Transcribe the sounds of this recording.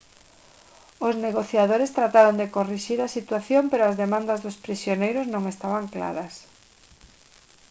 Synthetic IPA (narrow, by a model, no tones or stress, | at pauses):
ozneɣ̞oθjaðoɾest̪ɾat̪aɾond̪ekoriʃiɾasit̪waθjompeɾoazðemãnd̪ɐzðospɾisjonejɾʊznõŋest̪aβaŋkla̰ɾɐs